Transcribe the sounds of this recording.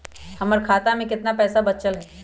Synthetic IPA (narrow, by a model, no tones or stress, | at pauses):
hɐməɾkʰaːt̪amẽkɪt̪napɛːsabɐtt͡ʃəlɦɛː